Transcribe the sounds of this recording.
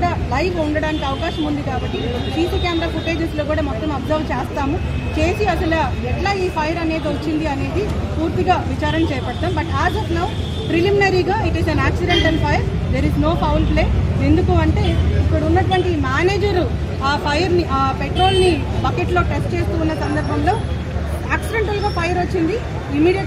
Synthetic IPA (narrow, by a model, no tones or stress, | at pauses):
ɽaːlɐjʋuɳɖɐɽaːnikiɐʋɐkaːʃɐmund̪ikaːbɐʈːi | siːsikeːnd̪ɾɐfuʈe̞ːd͡ʒesloːkuːɽaːmɔt̪ːɐmɐpzɐʋt͡ʃeːst̪aːmut͡ʃe̞ːsiɐsɐlɐ | ɛʈlaːiːpʰɐjɐɾɐneːd̪iot͡ʃːind̪iɐne̞ːd̪i | puːɾt̪iɡaːʋit͡ʃaːɾɐnɐt͡ʃɛːjɐpɐɽt̪aːmbɐʈaːd͡ʒɐt̪nɐ | pɾiliminɐɾiːɡaːiʈisɐnaːksiɖeɳʈɐnpʰɐjɐɾd̪eːɾiznoːpɐwlple̞ːe̞nd̪ukuɐɳʈe̞ːipːuɽɐunːɐʈʋɐɳʈimaːneːd͡ʒɐɾu | aːpʰɐjɐɾniʔaːpeʈɾo̞ːlni | pɐkeʈlo̞ːʈesʈt͡ʃeːst̪uːnːɐsɐnd̪ɐɾbʱɐmlo̞ː | aːksiɖeɳʈɐlɡaːpʰɐjɐɾot͡ʃːind̪i | imiːɽijɐ